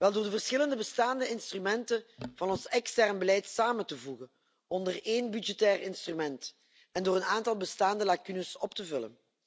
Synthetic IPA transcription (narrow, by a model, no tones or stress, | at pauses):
ʋɛlˠdoːrdəvərsxɪləndəbəstaːndəɪnstrymɛntənvɑnɔnsɛkstɛrnbəlɛjtsaːməntəvuɣən | ɔndəreːnbydd͡ʒɛtɛːrɪnstrymɛnt | ɛndoːɾənaːntɑlˠbəstaːndəlakynəsɔp̚təvɵlə̰n